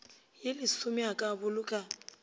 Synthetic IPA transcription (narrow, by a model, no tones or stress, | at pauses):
jɪlɪsʊmiakʼabʊlʊkʼa